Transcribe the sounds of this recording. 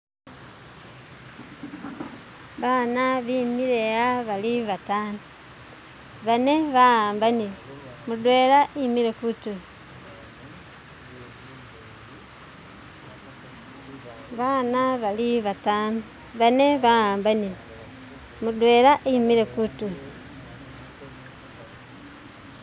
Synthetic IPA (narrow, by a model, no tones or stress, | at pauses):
βaːnaβimiɾejaβaliβataːnu | βaneβaaːmbani | mudwe̞ɾaʔimiɾekutu | βanaβaliβatanu | βane̞βaaːmbani | mudwe̞ɾaʔimiɾe̞kutu